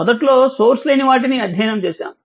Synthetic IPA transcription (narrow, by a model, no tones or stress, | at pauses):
ɔd̪ɐʈlo̞ːsoːɾsle̞ːniʋaːʈ̬iniɐd̪ʱjɐːjɐnɐmt͡ʃeːʃa̰ːmu